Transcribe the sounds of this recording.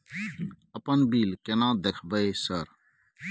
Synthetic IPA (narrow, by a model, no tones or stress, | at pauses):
əpənbiːlkenãːd̪ekʰbəesəɾ